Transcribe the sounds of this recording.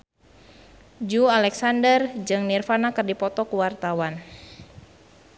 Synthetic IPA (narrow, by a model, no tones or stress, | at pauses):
d͡ʒualɛksandərd͡ʒɨŋnirfanakɨrdipɔt̪ɔkuwart̪awan